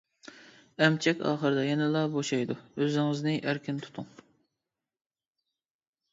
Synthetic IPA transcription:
ɛmt͡ʃʰɛkʲɑ̰ːχəɾɨd̪ɑjɛnɨlˠɑːboʃɑjd̪uøzɪŋɪznɪʔæɾkʲʰint̪ʰu̥t̪ʰuŋ

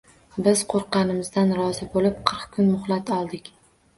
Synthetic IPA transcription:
bɪz̥qʰoɾqɑnɪmɪzd̪anɾɒzɪbolɪp̚qʰɨɾqkʰʊnmʊχlˠat̪ʰɒlˠd̪ɪkʲ

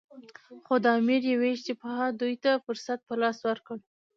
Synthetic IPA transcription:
xod̪əɑmiɾjeweʃt̪ɪpɑɦad̪ujt̪afʊɾsat̪̚pəlɑswəɾkəɽ

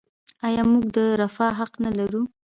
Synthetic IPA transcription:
ɑjɑmuɡd̪əɾafɑɦaqnalaɾu

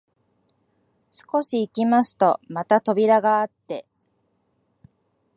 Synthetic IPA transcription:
sɨ̥ko̞ɕiːkʲimasɨ̥t̪o̞mat̪at̪o̞bʲiɾaɡaːt̪ːe̞

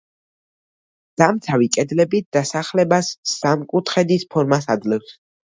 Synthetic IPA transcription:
d̪̥amt̪sʰavikʼɛd̪lɛbit̪̚d̪̥asaχlɛbasːamkʼut̪ʰχɛd̪ispʰɔɾmasad̪lɛfs

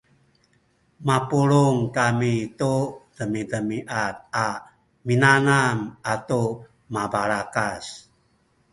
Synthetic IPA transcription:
mapuɾuŋkamitudəmidəmiʔat̪̚a | minanamatu | mabaɾakas

